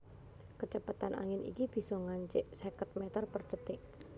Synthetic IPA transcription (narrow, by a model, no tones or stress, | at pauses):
kət͡ʃəpət̪anʔa̰ŋɪnʔḭkib̥i̤sɔŋaɲt͡ʃɪʔsekət̪̚mɛt̪ɔrpərd̪̥ə̤t̪ɪʔ